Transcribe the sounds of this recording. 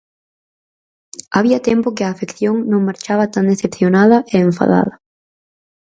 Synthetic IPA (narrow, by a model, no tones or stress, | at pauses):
aβiɐt̪ɛmpʊkɪaːfekθjoŋnõŋmaɾt͡ʃaβɐt̪and̪eθepθjonaðɐʔeeɱfa̰ða̰ðɐ